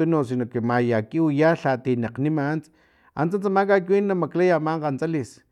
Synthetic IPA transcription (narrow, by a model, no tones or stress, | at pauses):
unosinokemajakiujaɬat̪inaqnimant͡s | a̰nt͡sant͡samak̬akwiːnːamaklajamaɴqant͡salis